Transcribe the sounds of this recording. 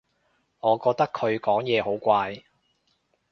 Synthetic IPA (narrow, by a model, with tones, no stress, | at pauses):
ŋɔː˨˧kɔː˧k̚t̪ɐ˥kʰːɵ˨˧ɥkɔː˨˥ŋjɛː˨˧ɦo˨˥wkʷaː˧j